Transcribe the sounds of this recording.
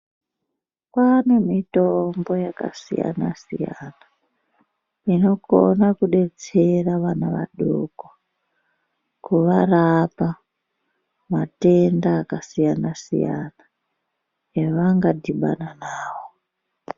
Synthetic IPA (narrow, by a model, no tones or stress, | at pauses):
kwanemitombo̞jaka̰sija̰na̰sḭjana | ino̞ko̰nakuɗe̞t͡seraʋanaʋa̰ɗo̰kwa | kuʋarapa | mate̞ndaːkasijanasḭja̰na | eʋaŋɡadiɓa̰nanaːwo